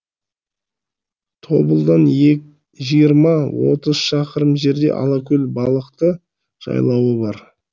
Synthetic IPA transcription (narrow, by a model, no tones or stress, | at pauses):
t̪ʰo̞bəlˠd̪ɑne | ʒijəɾmɑwo̞̰t̪əz̥ʃɑqəɾəmʒe̞ɾd̪e̞̰ʔɑ̰lˠɑkʲʰɵlbɑlˠəqt̪ə | ʒ̥ɑ̰jlˠɑwəbɑɾ